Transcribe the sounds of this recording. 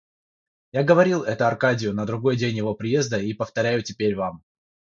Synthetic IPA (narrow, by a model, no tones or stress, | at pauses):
jaɡəvɐɾʲilˠɛt̪ʊɐrkadʲɪjʊnəd̪ɾʊɡo̞jdʲenʲjɪvo̞pɾʲɪje̞zd̪əipəft̪ɐɾʲæjʊtʲɪpʲeɾʲvam